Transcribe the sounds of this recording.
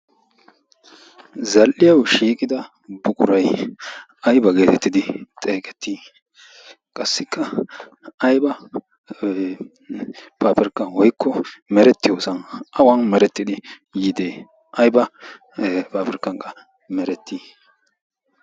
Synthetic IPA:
zɐlʔːɪjɐwʃiːkʼɪd̪ɐ | bʊkʼʊɾɐj | ʔɐjbɐɡe̞ːt̪ɛt̪ːɪd̪ɪt̪ʼeːkʼɛ̥t̪ʰːiː | kʼɐsːɪkːɐ | ɐjbɐ | pʰaːpɪɾkːɐnwɔjkʰːɔmɛɾɛt̪ːɪjoːsɐnʔɐwɐnmɛɾɛt̪ːɪd̪ɪ | jɪd̪eː | ʔɐjbɐ | paːpɪɾkːɐŋkʼɐ | mɛɾɛt̪ːiː

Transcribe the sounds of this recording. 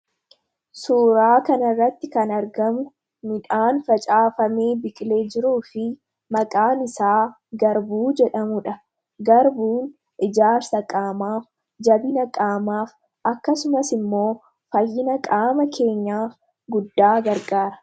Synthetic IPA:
suːɾaːkɐnɐrːɐt̪ːɪkɐnɐɾɡɐmʊ | mɪᶑaːnfɐt͡ʃʼaːfɐmeːbɪkʼle̞ːd͡ʒɪɾuːfɪ | mɐkʼaːnɪsaː | ɡɐɾbuːd͡ʒɛᶑɐmʊᶑɐ | ɡɐɾbuːn | ʔɪd͡ʒaːɾsɐkʼaːmaːf | d͡ʒɐbɪnɐkʼaːmaːf | ʔɐkːɐsʊmɐsɪmːo̞ː | fɐjːɪnɐkʼaːmɐkʰe̞ːɲːaːf | ɡʊd̪ːaːɡɐɾɡaːɾɐ̥

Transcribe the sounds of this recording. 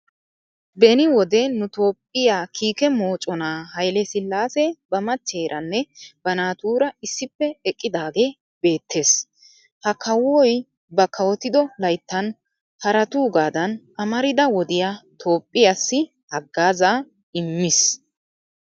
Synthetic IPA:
bɛnɪwɔd̪ɛnʊt̪o̞ːpʼːɪjaːkʰiːkɛmo̞ːt͡ʃʼɔnaːhɐjlɛsɪlːaːsɛbɐmɐt͡ʃːe̞ːɾʔɐnːɛb̥ɐnaːt̪uːɾɐɪsːɪpːɛɛkʼːɪd̪aːɡe̞ː | be̞ːt̪ʰːe̞ːs | hɐkʰɐwːɔj | bɐkʰɐwɔt̪ɪd̪ɔlɐjt̪ːɐn | hɐɾɐt̪uːɡaːd̪ɐnʔɐmɐɾɪd̪ɐwɔd̪ɪjat̪ʰo̞ːpʼːɪjasːɪ | hɐɡːaːzaː | ɪmːɪs

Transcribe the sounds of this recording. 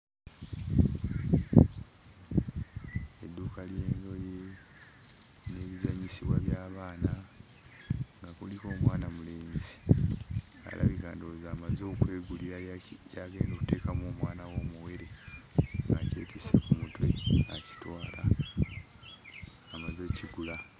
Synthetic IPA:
edːuːkalje̞ːndo̞je | ne̞ːβizaɲisiβwaβjaːβaːna | ŋɡakuliko̞ːmwaːnamuleːnzi̥ | a̰lʔa̰βiɡaːndozaːmazo̞ːkwe̞ːɡuliɾacaːɡe̞ːndoku̥te̞ːkamoːmwaːnawo̞ːmuwe̞ɾe̞ | ŋacḛːtʰisekumutweaci̥twaːla | mazo̞ːciɡula

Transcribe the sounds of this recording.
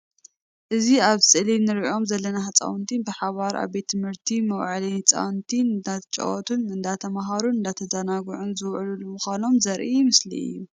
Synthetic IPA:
ʔɨziaβsʼɨlinɨɾiʔo̞mzɐlːɐnahɨt͡sʼa̰wnt̪ʰinbɨħaβaɾʔa̰βbe̞t̪ʰːɨmhɨɾt̪ʰimɐwʕalihɨt͡sʼa̰wnt̪ʰinːat̪t͡ʃʼɐ̰wot̪ʰunɨnd̪at̪ʰɐmaɦaɾunɨnd̪at̪ʰɐzɐnaɡʕunzɨwʕɨlulumɨxʷano̞mzɐɾʔimɨslḭɨ̰ju

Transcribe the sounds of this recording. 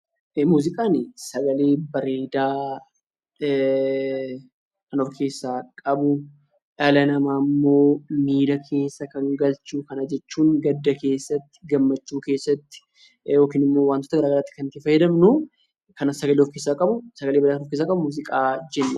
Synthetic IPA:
ʔemuːzɪkʼaːnɪsɐɡɐle̞ːbɐɾeːd̪aː | kɐnɔfkʰe̞ːsːaːkʼɐbʊ | ʔɐlɐnɐmaːmːo̞ːmiːd̪ɐkʰe̞ːsːɐkɐŋɡɐlt͡ʃuːkɐnɐd͡ʒɛt͡ʃːuːŋɡɐd̪ːɐke̞ːsːɐt̪ːɪ̥ɡɐmːɐt͡ʃːuːke̞ːsːɐt̪ːɪ̥ | jo̞ːkɪnɪmːo̞ːwaːnt̪ot̪ɐɡɐɾaːɡɐɾaːt̪ːɪ̥kɐnt̪ːɪfɐjɛd̪ɐmnu | kɐnɐsɐɡɐleɔfkeːsːaːkʼɐbʊsɐɡɐleːbɐɾdakɐnɔfkes̬ːaːkʼɐbʊmuːzɪkʼaːd͡ʒɛnːɐ

